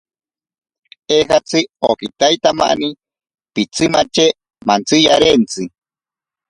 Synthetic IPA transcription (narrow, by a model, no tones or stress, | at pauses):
ehat͡sʰɨokit̪ajt̪ama̰ni | pit͡sʰɨmat͡ʃe | mant͡sɨjaɾent͡sɨ